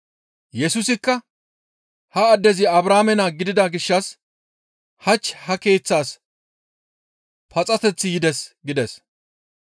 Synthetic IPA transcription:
jɛsʊsɪkːɐ | hɐːd̪ːɛzɪɐbɾaːmɛnaːɡɪd̪ɪd̪aɡɪʃːɐs | hɐt͡ʃːhɐke̞ːt͡sːaːs | pɐt͡sʼɐt̪ɛt͡sːɪjɪd̪ɛsɡɪd̪ɛs

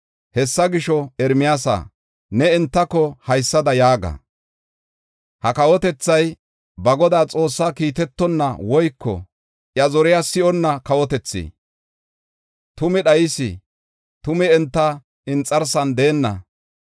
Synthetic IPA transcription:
hɛsːɐɡɪʃɔɛɾmɪjaːsa̰ː | nɛɛnt̪ːɐkːɔhɐjsːɐd̪ɐjaːɡɐ̰ | hɐkɐwɔt̪ɛt͡sːɐj | bɐɡɔd̪aːt͡sʼo̞ːsːakiːt̪ɛt̪ːɔnːɐ̰wɔjkːɔ̰ | ʔjɐzɔɾɪjasɪʔɔnːɐkɐwɔt̪ɛt͡sːḭː | t̪ʊmɛɗɐjɪsɪ̰ | t̪ʊmɛɛnt̪ːɐ | ɪnt͡sʼːɐɾsɐnd̪eːnːɐ̰

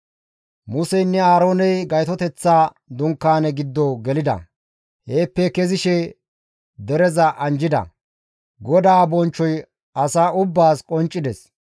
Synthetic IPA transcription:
mʊsɛjnːɛaːɾo̞ːnɛjɡɐjt̪ɔt̪ɛt͡sːaː | d̪ʊŋkːaːnɛɡɪd̪ːɔɡɛlɪd̪ɐ̰ | heːpːɛkɛzɪʃɛ | d̪ɛɾɛzɐʔɐnd͡ʒɪd̪ɐ̰ | ɡɔd̪aːbɔnt͡ʃːɔj | ɐsaːʊbːaːskʼɔnt͡ʃʼːɪd̪ɛs

